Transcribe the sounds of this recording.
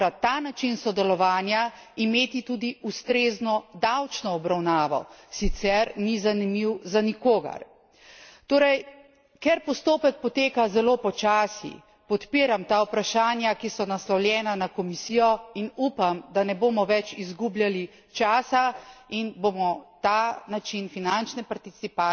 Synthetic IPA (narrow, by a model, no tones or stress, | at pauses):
at̪aːnat͡ʃinsɔd̪ɛlɔʋaːnjaimeːt̪it̪uːd̪iust̪ɾeːznɔd̪awt͡ʃnɔːbɾawnaːʋɔ̰sit̪sɛɾnizanimiwzanikoːɡɐ̰ɾ | t̪oːɾɛj | kɛɾpɔst̪oːpɛk̚pɔt̪eːkazɛloːpɔt͡ʃaːsḭ | pɔt̪piːɾamt̪aːupɾaʃaːnjakisɔnaslɔwljɛːnanakɔmisijɔinuːpamd̪anɛboːmɔʋɛt͡ʃizɡublʲjali | t͡ʃaːsainboːmɔt̪aːnat͡ʃinfinant͡ʃnɛpaɾt̪isipa